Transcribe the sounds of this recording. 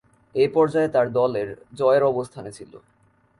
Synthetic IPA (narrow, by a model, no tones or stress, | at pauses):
epɔɾd͡ʑaet̪aɾd̪ɔleɾd͡ʑɔeeɾɔbost̪ʰanet͡ɕʰilo̰